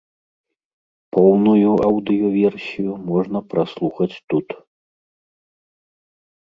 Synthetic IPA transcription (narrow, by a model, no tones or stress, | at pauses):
pɔwnujuawd̪ɨjuvʲɛrsʲijumɔʐnɐpɾaslˠuxɐt͡sʲt̪ut̪